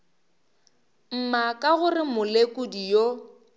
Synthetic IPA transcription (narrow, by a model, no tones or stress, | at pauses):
m̩makʼaɣʊrɪmʊlekʼʊdijo